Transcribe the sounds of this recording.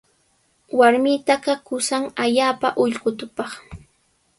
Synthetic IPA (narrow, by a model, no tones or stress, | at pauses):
waɾmɪt̪aɢakʊsaŋaʎaːpaʔʊʎɢʊt̪ʊpɑχ